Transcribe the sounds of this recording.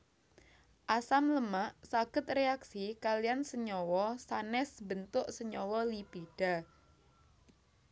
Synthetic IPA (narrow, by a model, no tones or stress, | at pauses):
ʔasamləmaʔsaɡ̥ə̤t̪̚reaksikalijansəɲɔwɔsanɛsbənt̪ʊʔsəɲɔwɔlipiɖ̥a